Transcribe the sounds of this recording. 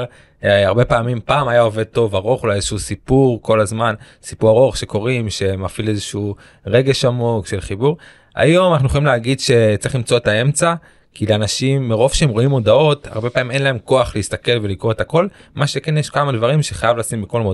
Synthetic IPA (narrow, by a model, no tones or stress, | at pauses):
aʁbe̞paːmimpaːmajao̞ve̞d̪̚t̪o̞vaʁo̞χulajezeʃusipuʁko̞lazman | sipuʁaʁo̞χʃe̞ko̞ʁimʃe̞mafilezeʃu | ʁe̞ɡe̞ʃamo̞kʃe̞lχibuʁ | a̰jo̞manaχnueχolimleaɡidʃe̞t͡sʁiχlimt͡so̞etae̞mt͡sa | kileanaʃimːeʁo̞vʃeemʁo̞imo̞d̪ao̞ta̰ʁbe̞paːmime̞nlae̞mko̞aχliist̪ake̞lvelikʁoet̪ako̞l | maʃekenjeʃkamad̪vaʁimʃeχajavlasimbiko̞lmod